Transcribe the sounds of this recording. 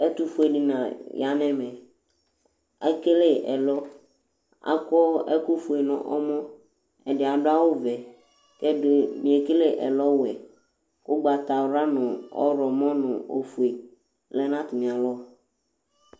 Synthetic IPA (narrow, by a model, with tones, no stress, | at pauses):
ɛ˦t̪u˦fu˦e˨ɖi˨nã̰˨ja˨nɛ̃˦mɛ̃˨ | ɛ˦ke˦le˦ʔɛ̰˨lɔ˦ | a̰˦kɔ˦ɛ˦ku˦fu˨e˨nʊ̰̃˨ʔɔ̰˦mɔ̃˦ | ɛ˨ɖɪ˨a˨ɖʊ˦a˦wo˦vɛ˨ | kɛ˦dɪ˨mĩ˨e˨ke˦le˦ʔɛ̰˨lɔ˦wɛ˨ | kʊ˦ɡ͡ba˨t̪a˨wɾa˦nʊ̃˨ɔ̰˦ɾɔ˨mɔ̃˦nʊ̰̃˨o̰˨fu˨e˨ | lɛ˦nã˦t̪ʊ˨mĩ˨a˨lɔ˦